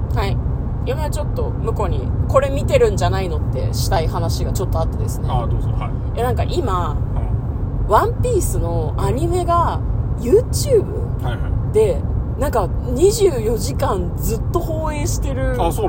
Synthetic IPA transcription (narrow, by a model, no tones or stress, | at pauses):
hai | imat͡ɕo̞t̪ːo̞mɯ̟ko̞ɲ̟ḭko̞ɾe̞mʲit̪e̞ɾɯ̟̃ɲ̟d͡ʑanaino̞t̪ːe̞̰ɕi̥t̪aihanaɕiɡat͡ɕo̞t̪ːo̞at̪ːed̪e̞sɨneoo | jenãŋka̰ʔima | βãmpʲiːsɨno̞aɲ̟ime̞ɡajɯ̟ːt͡ɕɯːbɯ̟̰ | hajad̪̥e̞nãŋka | ɲ̟iʑɨːjo̞ʑikãnd͡zɨt̪ːo̞ho̞ːe̞ːɕi̥t̪e̞ɾɯ̟ao